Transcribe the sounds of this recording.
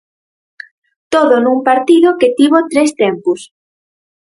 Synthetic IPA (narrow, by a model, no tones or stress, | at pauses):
t̪oðonũmpaɾt̪iðoket̪iβot̪ɾest̪empus